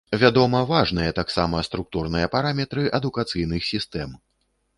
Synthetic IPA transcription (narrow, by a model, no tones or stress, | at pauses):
vʲad̪ɔmɐvaʐn̪ɨjɛt̪aksamɐst̪ɾuk̚t̪urnɨjɐpaɾamʲɛt̪ɾɨʔɐd̪ukat̪sɨjnɨxsʲist̪ɛm